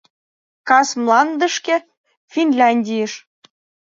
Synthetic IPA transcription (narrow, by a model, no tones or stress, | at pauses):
kɑsmlɑnd̪ə̆ʃkĕ | fʲinlʲɑnʲdʲijəʃ